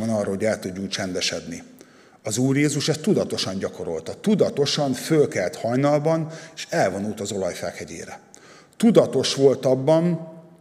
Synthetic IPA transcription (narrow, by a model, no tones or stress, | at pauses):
ɒnɒːrɒɦo̞ɟɛlt̪uɟːuŋkt͡ʃɛnd̪ɛʃɛd̪ni | ɒzuːrjeːzuʃɛst̪ːud̪ɒt̪o̞ʃɒɲɟɒko̞ɾo̞̰lt̪ɒt̪ud̪ɒt̪o̞ʃɒɱfølkɛlt̪hɒjnɒlbɒneːʃɛlvo̞nult̪ɒzo̞lɒjfɛ̰ːkhɛɟḛːɾɛ | t̪ud̪ɒt̪o̞ʃʋo̞lt̪ɒbːɒn